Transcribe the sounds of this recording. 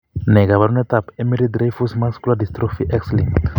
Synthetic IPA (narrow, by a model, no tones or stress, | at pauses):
nɛkaβaɾunɛt̪apɛmiɾid̪ɾejfusmaskuladist̪ɾɔfiʔɛksliŋ